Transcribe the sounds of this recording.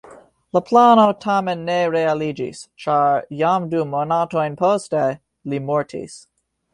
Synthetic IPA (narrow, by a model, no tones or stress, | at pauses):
ləpʰlanotʰamɛ̃nːeɹealid͡ʒḭst͡ʃaɹjamdumonatoɪ̃npʰoste | limɔɹtʰḭs